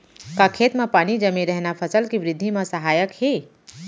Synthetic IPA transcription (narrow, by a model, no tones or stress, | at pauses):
kakʰeːt̪mẽpaːnid͡ʒəmeɾəɦnapʰəsəlkiʋɾɪd̪ʱːimẽsəɦaːjəkhe